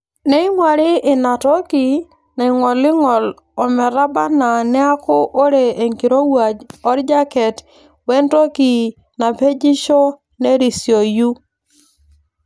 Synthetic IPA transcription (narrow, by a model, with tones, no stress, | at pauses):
nɛ˦ɪ˦mwa˨ɾɪ˦ʔɪ˨na˨tɔ˦ki˨ | na˨ɪ˨ŋɔ˨lɪ˦ŋɔ˨l | ɔ˨mɛ˨ɾa˦ba˦na˨nɛ˦a˦kʊ˦ʔo˦ɾe˨e˨ŋki˨ɾo˦wa˨d͡ʒɔ˦ɾd͡ʒa˦kɛ˨t | wɛ˦nto˦ki˨ | na˨pe˦d͡ʒi˦ʃɔ˦ | ne˦ɾi˨sjo˨ju˦